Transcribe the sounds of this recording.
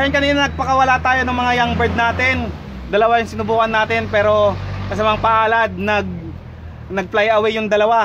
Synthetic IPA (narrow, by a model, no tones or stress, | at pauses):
ajɐnkɐniːnɐnɐɡ̚pɐkɐwɐlat̪aːjonʊŋmɐŋajaŋbɛɹd̪̚naːt̪ɪn | d̪ɐlɐwajʊŋsɪnʊbuːkɐnːaːt̪ɪnpɛːɾo̞kɐs̬ɐmaŋpɐʔaːlɐd̪̚nɐɡ̚ | nɐɡ̚plajɐwɛjʊŋd̪ɐlɐwa